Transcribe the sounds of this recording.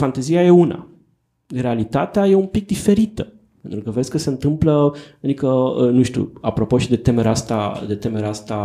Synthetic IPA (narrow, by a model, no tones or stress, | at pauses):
fant̪ezijaje̞una̰ | re̞alit̪at̪eaje̞umpik̚d̪ife̞ɾit̪ə | pe̞nt̪ɾukəvɾesʲkəse̞ɨnt̪ɨmplənikənuʃt̪ṵapɾo̞po̞ʃid̪e̞t̪e̞meɾeast̪a̰d̪e̞t̪e̞me̞ɾeast̪a